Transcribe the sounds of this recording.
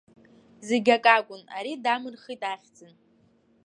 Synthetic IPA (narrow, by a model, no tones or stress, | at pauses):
zeɡʲakʼakʷʼʊna̰ɾidamɨrχijtʼaχʲd͡zɨn